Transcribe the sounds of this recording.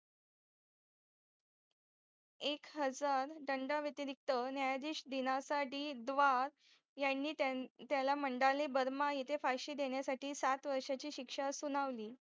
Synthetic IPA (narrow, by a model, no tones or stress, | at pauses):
ekɦəd͡zaɾɖəɳɖaʋjət̪iɾik̚t̪ənjajad̪iːɕd̪inasaʈiːd̪ʋaɾ | janːiːt̪t̪jalaməɳɖalebəɾmajet̪ʰefajɕiːd̪eɳjasaʈiːsat̪ʋəɾʂat͡ɕiːɕikʂasunaʋliː